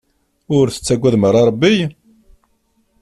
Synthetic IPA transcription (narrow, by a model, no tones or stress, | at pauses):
ʊɾθə̥t͡sːæɡʷæðməɾˤɑɾˤəbːij